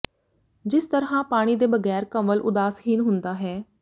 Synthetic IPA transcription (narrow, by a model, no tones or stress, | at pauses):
d͡ʒɪst̪əɾɦãːpaːɽ̃iːd̪eːbəɡɛːɾkəməlʔʊ̰d̪aːshiːnɦʊ̃nd̪aːɦɛː